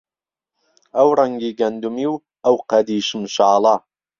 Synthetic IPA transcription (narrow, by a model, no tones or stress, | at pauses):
ɐwɾˤɐŋɡiːɡɐnd̪umiw | ɐwqɐd̪iːʃɨmʃaːlˠɑ